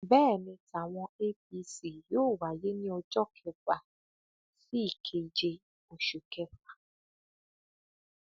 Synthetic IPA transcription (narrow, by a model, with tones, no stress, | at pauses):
bɛː˦˨mĩ˧ta˨w̃ɔ̃˧e˦pi˧si˨joː˦˨wa˨je˨˦nĩ˦ɔ˧d͡ʒɔ˦kʰɛ˧fa˨ | si˦i˦˨kʰe˧˨d͡ʒe˧ | o˨ʃu˨kɛ˧fa˨